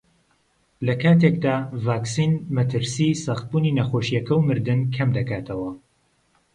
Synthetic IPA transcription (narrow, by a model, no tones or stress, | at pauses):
lɐkʰaːt̪ek̚d̪aːvaːksinmɐt̪ʰɨɾsisɑxt̪̚buːninɐxoːʃijɐkʰɐwmɨɾd̪ɨnkʰɐmd̪ɐkʰaːt̪ʰɐwɐ